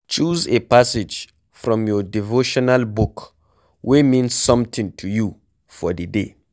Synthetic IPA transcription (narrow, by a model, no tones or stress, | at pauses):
t͡ʃuzepasɪd͡ʒ | fɹɔ̃mjɔdivoʃɔnalbuk | wʔimĩnsːʌ̃mtʰĩŋtʰuju | fɔdədḛ